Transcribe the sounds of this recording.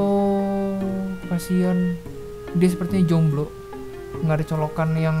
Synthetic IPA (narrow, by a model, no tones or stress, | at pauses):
o | kasian | dias̬əpərt̪iɲad͡ʒɔŋbloʔ | ŋɡaʔdit͡ʃɔlokanjaŋ